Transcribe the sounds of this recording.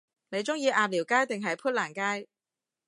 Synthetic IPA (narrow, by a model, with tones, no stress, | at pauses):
ne˨˧jt͡sʊ˥ŋjiː˨˧ʔaː˨˧p̚liː˨˩wkaː˥jt̪ɪ˨ŋɦɐ˨jpʰuː˥t̚laː˨˩nkaː˥j